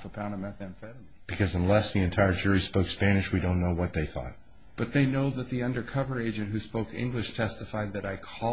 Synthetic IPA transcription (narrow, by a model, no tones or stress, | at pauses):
fəpʰãʊ̃ñəmɛ̃θɨ̃nfɛɾ | b̥ɨkʰʌzə̃nlɛsðiɨ̃ntʰaɪə˞d͡ʒʊɹispoʊkspænɨʃwidõʊ̃nːoʊwʌt̪̚ðeɪθɔ̰t̚ | b̥ʌt̪̚ðeɪnoʊðɨt̪̚ðiʌ̃ndə˞kʰʌvə˞eɪd͡ʒɨ̃nʔ̚ɦʉspoʊkɪ̰̃ŋɡlɨʃtʰɛstɨfaɪd̪̚ðɨɾaɪkʰɔ